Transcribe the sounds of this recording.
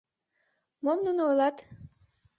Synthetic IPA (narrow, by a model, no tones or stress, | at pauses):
momnunojlɑt̪